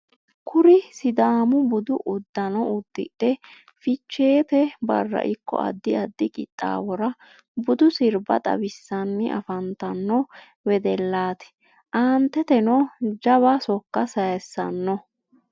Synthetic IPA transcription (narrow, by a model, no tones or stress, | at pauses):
kʰʊɾɪsɪd̪aːmʊbʊd̪ʊʔʊd̪ːɐnɔʊd̪ːɪ̰ʔɛ | fɪt͡ʃːe̞ːt̪ɛbɐ̰rːɐ̰ʔɪkːɔ̰ɐ̰d̪ːɪɐd̪ːɪkʼɪt̪ʼːa̰ːbɔɾɐ | bʊd̪ʊsɪɾbɐ̰t̪ʼɐ̰bɪsːɐnːɪʔɐ̰fɐnt̪ɐnːɔ | wɛd̪ɛlːaːt̪ɛ̥ | ʔaːnt̪ːɛt̪ɛnɔd͡ʒɐβɐsɔkːɐsɐjɛsːɐnːɔ